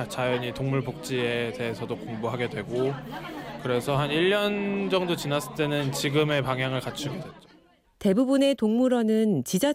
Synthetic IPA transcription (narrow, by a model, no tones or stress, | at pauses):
t͡ɕajʌɲitoŋmuɭpok̚t͡ɕ͈iete̞ɦesʰʌdokoŋboɦaɡe̞dwe̞ɡo | kɯɾe̞sʰʌɦaniʎːʌnd͡ʑʌŋdot͡ɕinas͈ʰɯt͈e̞nɯnt͡ɕiɡɯme̞paŋɦjaŋɯɭkat͡ɕʰuɡedwe̞t̚t͡ɕ͈o̥ | te̞bubune̞toŋmuɾʌnɯnt͡ɕid͡ʑa